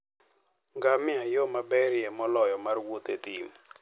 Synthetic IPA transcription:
ŋɡamɪajɔmabɛɾjɛmɔlɔjɔmarwot̪et̪im

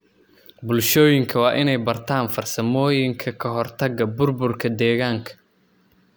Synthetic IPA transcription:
bʊlʃɔːjɪŋkʰɐwɑːʔɪnɛjbɐrt̪ʰaːnfɐrsɐmɔːjɪŋkʰɐkʰɐɦɔrt̪ʰɐɡɐbʊrbʊrkʰɐd̪ɛːɣaːŋkʰɐ̥

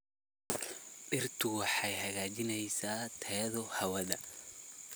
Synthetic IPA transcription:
ɖɪrt̪ʰʊwɑħɑjhɐɣaːt͡ʃɪnɛjsaːt̪ʰɛːðɔhɐwɐðɐ

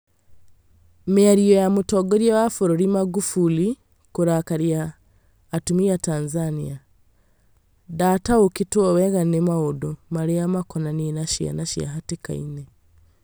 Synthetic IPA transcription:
meaɾiojamutoɡoɾjeβafuɾoɾimaɡufuli | kuɾakaɾjaː | tumijataːnzania | daːtaokituoweɣanemaodomaɾejamakonaninaʃa̰naʃia̰ɦatika̰ḭne

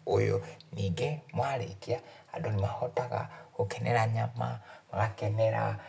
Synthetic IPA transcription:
ojoniːɡemwaɾḛtia | adonimahotaɣa̰ɣokenʔɛɾaɲamamaɣakɛneɾa̰

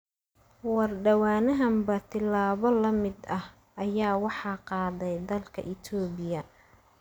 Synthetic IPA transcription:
wɑrɖɐwaːnɐɦɐmbɐt̪ʰɪlaːβɔlɐmɪd̪ɐh | ʔɐjaːwɑħɑːqɑːðɛjd̪ɐlkʰɐ̰ʔɪt̪ʰɔːbɪjɐ

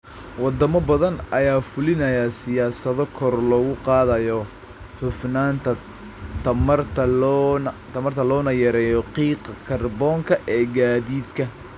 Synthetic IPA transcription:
wɑd̪ɐmɐbɐðɐnʔɐjaːfʊlɪnɐjasɪjaːsɐðɔkʰɔrlɔːɣʊqɑːðɐjɔ | ħʊfnaːnt̪ʰɐ | t̪ɐmɐrt̪ʰɐnt̪ʰɐmɐrt̪ʰɐlɔːnɐjɐɾɛːjɔqiːqɑkʰɐrbɔːŋkʰɐʔɛːɡaːðiːd̪kʰɐ

